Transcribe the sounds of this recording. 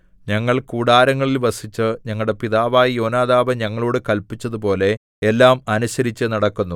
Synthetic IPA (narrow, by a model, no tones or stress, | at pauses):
ɲɐŋːɐɭkuːɽaːɾɐŋːɐɭilʋɐsit͡ɕːɨɲɐŋːɐɭɽe̞piðaːʋaːjijo̞ːnaːðaːʋɐɲɐŋːɐɭoːɽɨkɐlpit͡ɕːɐðup̬o̞ːle̞ː | lːaːmɐnuɕɐɾit͡ɕːɨnɐɽɐkːunːu